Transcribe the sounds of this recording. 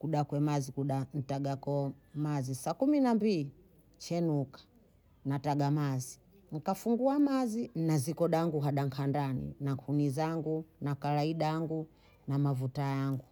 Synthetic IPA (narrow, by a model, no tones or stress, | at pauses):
kuɗakwɛmazikuɗan̩taɡakɔmazisakuminambili | t͡ʃɛnukḁ | nataɡamazi | ŋ̩kafuŋɡuamazinazikɔɗaŋɡuɦaɗaŋkʰandanḭnakʰunizaŋɡunakalaiɗaaŋɡu | namavutajaŋɡu